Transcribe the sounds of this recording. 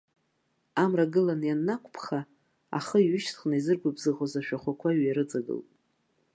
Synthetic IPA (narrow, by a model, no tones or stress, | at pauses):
amraɡɨlanjanːakʷʰʼpʰχa | a̰χəiɥʏʃtʰχnazɨrɡʷabzɨʁozaʃᶣaχʷakʷʰaɥjaɾɨd͡zaɡɨ̰ltʼ